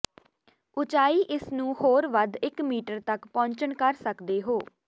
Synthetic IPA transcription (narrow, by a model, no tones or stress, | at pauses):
ʊt͡ʃaːiːʔɪsnũːhoːɾʋəd̪ʱɪkmiːʈəɾt̪əkpɔ̃ːɲt͡ʃəɳkəɾsəkd̪eːɦoː